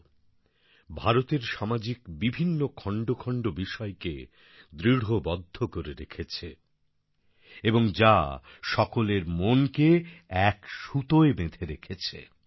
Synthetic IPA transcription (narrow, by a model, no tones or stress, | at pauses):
bʱaɾot̪eɾʃamad͡ʑikbibʱinːokʰɔɳɖokʰɔɳɖobiʃɔekḛ | d̪ɾiɽɦobɔd̪ʱːokoɾeɾekʰet͡ɕʰe | eboŋd͡ʑaʃɔkoleɾmonkeɛkʃut̪oebed̪ʰʱeɾekʰet͡ɕʰḛ